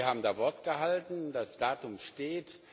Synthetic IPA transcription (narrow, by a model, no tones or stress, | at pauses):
haːbm̩daːfɔɐtɡ̥əɦaltn̩dasd̥aːtʊmʃteːt